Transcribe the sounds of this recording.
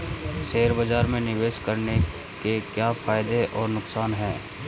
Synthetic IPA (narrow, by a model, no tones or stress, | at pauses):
ʃeːɾbɐd͡ʒaːɾmẽnɪʋeːʃkɐɾne | kekjafʰaːɪd̪eʔɔːɾnʊksaːnɦɛ̃ː